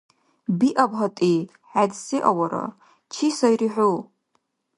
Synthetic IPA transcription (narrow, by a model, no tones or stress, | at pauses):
biʔɐbɦɐtʼi | ħadsiʔɐwɐɾɐ̰ | t͡ʃʰisɐjɾiħʷu